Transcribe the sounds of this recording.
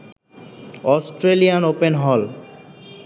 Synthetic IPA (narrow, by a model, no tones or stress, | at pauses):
ɔsʈɾelijanopenɦɔl